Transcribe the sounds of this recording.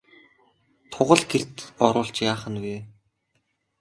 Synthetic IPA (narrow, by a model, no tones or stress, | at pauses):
t̪ʰʊʁə̆ɮɡer̥t̪ɔɾʊːɬt͡ɕjaːχə̆nweː